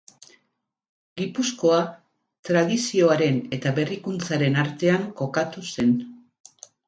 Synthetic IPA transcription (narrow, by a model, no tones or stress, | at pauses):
ɡipusko̞a | t̪ɾað̞isio̞aɾe̞ne̞t̪aβe̞rikunt͡saɾe̞naɾt̪e̞aŋko̞kat̪use̞n